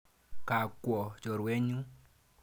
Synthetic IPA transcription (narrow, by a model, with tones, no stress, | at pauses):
ka˨kwɔ˨d͡ʒɔ˨ɾwe˦ɲu˦